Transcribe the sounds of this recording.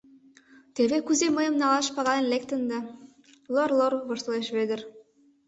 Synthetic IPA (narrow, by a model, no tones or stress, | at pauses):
t̪eβekuzeməjə̆mnɑlɑʃpɑɣɑlenlek̚t̪ə̆nd̪ɑ | lorlorβoʃt̪ɤleʃβed̪ə̆r